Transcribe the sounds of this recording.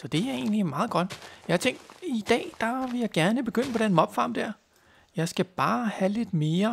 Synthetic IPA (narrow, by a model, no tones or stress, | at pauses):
sɒ̽d̥e̝æe̝̰ːnliemɑ̈ːð̞̩ˠɡ̥ɒ̽d̥jɑ̈hɑt͡sʰeŋ̰ɡd̥id̥ɛ̰ːd̥ɑʋe̝jɑ̈ɪɡ̥æɐnəb̥e̝ɡ̥øn̰əpʰɒ̽ɾ̥enmɒ̽b̥fɑ̰̈ːmd̥æɐ̰ | jɑ̈ɪsɡ̥æb̥ɑ̈ːhæle̝d̥me̝ːɐ